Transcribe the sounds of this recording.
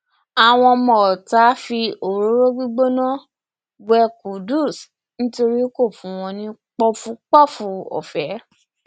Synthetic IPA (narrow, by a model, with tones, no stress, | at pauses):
a˨w̃ɔ̃˧mɔ̃˨ta˨˦fi˧o˨ɾo˨˦ɾo˦ɡ͡bi˦ɡ͡bo˦nã˦ | bɛ˧ku˨du˦˨s | nĩ˦to˧ɾi˦ko˦˨fũ˨˦˧w̃ɔ̃˧nĩ˧˦k͡pɔ˦fũ˧k͡pɔ˦˨fũ˨˧˦ɔ̰˨fɛ˨˦